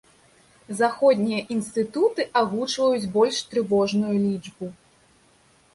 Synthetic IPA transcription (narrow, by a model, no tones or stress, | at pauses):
zaxɔd̪ʲnʲijɐʔinst̪ɨt̪ut̪ɨʔaɣut͡ʂvɐjut͡sʲbɔlʲʂt̪ɾɨvɔʐnujulʲid͡ʐbu